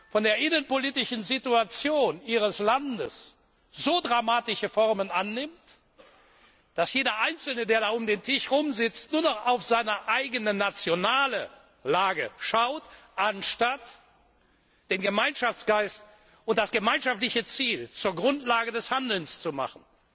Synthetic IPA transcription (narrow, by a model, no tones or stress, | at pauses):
fɔndeːɐʔɪnənpoliːtɪʃn̩zituat͡sjoːniːʁ̞əslandəs | z̥oːdʁamaːtɪʃəfɔʁmənʔanːɪmt | d̥asjeːdɐʔaɪnt͡sl̩nədeːɐɾaːʊmdeːntʰɪʃʁʊmzɪt͡stnuːɐnɔχaʊfz̥aɪnɐʔaɪɡənənat͡sjonaːlə | laːɡə̰ʃaʊtʔanʃtat | d̥eːnɡəmaɪnʃaft͡sɡ̥aɪst | ʊnt̚d̥asɡ̥əmaɪnʃaftlɪçət͡siːlt͡suːɐɡʁʊntlaːɡədɛshandl̩nst͡suma̰χn̩